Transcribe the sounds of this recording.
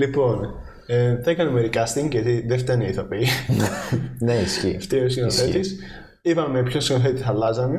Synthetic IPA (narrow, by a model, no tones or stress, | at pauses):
lipo̞n | et̪ɐekɐnemeɾikɐst̪iŋet̪iðeft̪ɐneiθɐpi | neisift̪iosinoθet̪is | ivɐmepçosinoθet̪isɐlɐzɐme